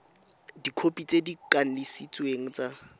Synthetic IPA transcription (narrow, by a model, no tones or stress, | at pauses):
dikʰopʼit͡sʼedikʼan̩lɪsit͡sʼweŋ̩t͡sʼa